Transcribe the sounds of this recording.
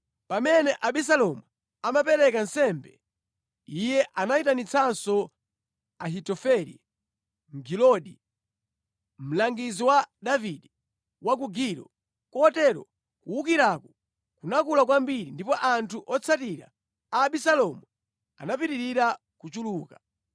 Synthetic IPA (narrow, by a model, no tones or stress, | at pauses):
pamɛnɛʔaɓis̬alɔmu | amapɛɾɛkansɛmbɛ̰ | ijɛʔanaitanit͡sʰansɔ | aɦitɔfɛɾḭ | ŋ̩ɡilɔɗi | m̩laŋɡiziwadaviɗi | wak̬uɡiɾɔ̰ | kɔtɛɾɔ̰ | kuukiɾakɔ | kunakulakwambiɾindipɔʔantʰuʔɔt͡sʰatiɾa̰ | aːɓisalɔmu | a̰napiɾiɾiɾa | kut͡ʃuluːka